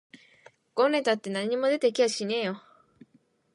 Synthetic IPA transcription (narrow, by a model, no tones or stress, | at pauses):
ɡ̥õne̞t̪at̪ːe̞naɲ̟imo̞d̪e̞t̪e̞kʲiaɕine̞ːjo